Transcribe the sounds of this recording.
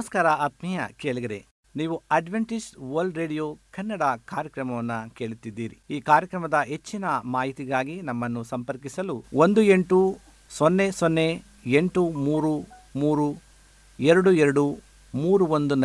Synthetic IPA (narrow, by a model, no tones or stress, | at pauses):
ɐɐskaːɾɐɐt̪mijɐ̰keːɭiɡɐɾḛ | niːʋuɐɖʋeɳʈid͡ʒʋɐɾlɖɾeːɖijokɐnːɐɽɐkaːɾjɐkɾɐmɐʋɐnːɐke̞ːɭut̪ːid̪ːiːɾḭiːkaːɾjɐkɾɐmɐd̪ɐɦe̞t͡ʃːinɐmaːɦit̪iɡaːɡinɐmːɐnːusɐmpɐɾkisɐluʔond̪ue̞ɳʈu | sonːesonːe̞ | eɳʈumuːɾu | muːɾu | ɛɾɐɽuɛɾɐɽu | muːɾuʋond̪unɐ